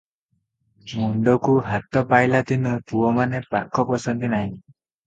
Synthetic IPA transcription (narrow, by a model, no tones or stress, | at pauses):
muɳɖɔkuɦat̪ɔpajlat̪inɔpuɔmanepakʰːɔpɔsɔnd̪inaɦĩ